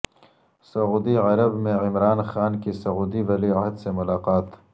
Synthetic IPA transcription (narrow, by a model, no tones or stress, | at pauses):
sɐuːd̪iʕɐɾɐbmẽɪmɾaːnxaːnkisɐɣuːd̪iwɐliaɦd̪semʊlaːqaːt̪